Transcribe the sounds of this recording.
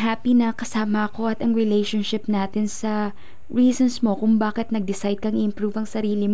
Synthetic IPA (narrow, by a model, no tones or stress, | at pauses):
ɦaːpinɐkɐsaːmɐʔɐko̞ʔɐt̪ɐŋɹɪlejʃonʃɪp̚naːt̪ɪnsɐ | ɹiːsonsmo̞kʊŋbaːkɪt̪̚nɐɡ̚d̪ɪsajd̪̚kɐŋʔɪʔɪmpɾuvɐŋsɐɾiːlɪm